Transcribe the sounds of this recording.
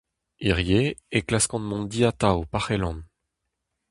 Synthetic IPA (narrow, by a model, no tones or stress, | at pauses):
iʁjeeklaskɑ̃nmɔ̃d̪iat̪awpaʁelɑ̃n